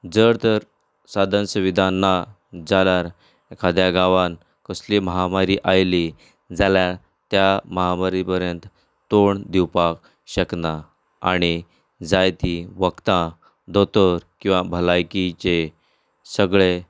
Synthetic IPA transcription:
d͡zəɾt̪əɾ | sad̪ʱənsuʋid̪ʱanːa | d͡zaljaɾ | kʰad̪jaɡaʋan | kəsliməɦamaɾiʔajli | d͡zaljaɾ | t̪jaməɦamaɾipəɾjənt̪ | t̪oɳd̪iwpak | ɕəkna | a̰ɽ̃i | d͡zajt̪iʋəkt̪ã | d̪ʱot̪əɾkĩw̃ʋabʱəlajkit͡ɕe | səɡɭe

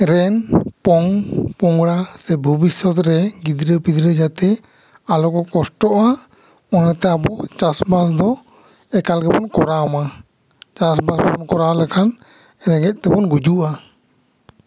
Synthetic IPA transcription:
ɾɛnpɔŋpɔŋɡɾasɛbʱubisɔt̪ɾɛɡid̪ɾəpid̪ɾəd͡ʒat̪ɛ | alɔkɔkɔsʈɔʔa | ɔnɛt̪ɛabɔt͡ʃasbas̬d̪ɔ | ɛkalɡɛbɔnkɔɾaɔma | t͡ʃasbasbɔbɔnkɔɾalɛkʰan | ɾɛɡɛt̪̚t̪ɛbɔnɡud͡ʒuʔa

